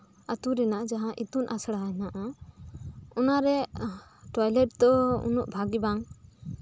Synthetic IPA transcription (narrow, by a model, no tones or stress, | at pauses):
at̪uɾɛnaʔd͡ʒaɦãʔit̪unʔasɽanaʔa | ɔnaɾɛ | ʈɔjlɛʈ̚d̪ɔṵnuʔbʱaɡibaŋ